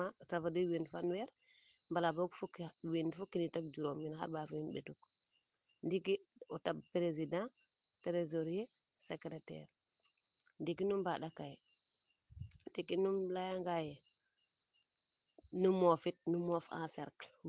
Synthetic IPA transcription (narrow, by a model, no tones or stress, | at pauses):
atafadiwendfanwɛɾmbalabokfukwendfukːinitak̚d͡ʒuɾomɲinha̰ɾbafwinbḛtuk | ndikiɔtabpɾezidãtɾezoɾiesekɾetɛ̰ɾ | ndikinumbaɗakajɛ | dikinumlajaŋɡajɛ | numɔfit̚numɔfã̰sɛ̰ɾk